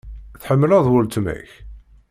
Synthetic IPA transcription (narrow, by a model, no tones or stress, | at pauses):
θħəmːəlæðˤwʊlt̪mæ̰ç